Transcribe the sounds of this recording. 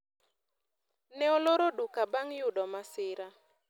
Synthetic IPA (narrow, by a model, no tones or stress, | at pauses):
nɛoloɾodukabaŋjʊdɔmasɪɾa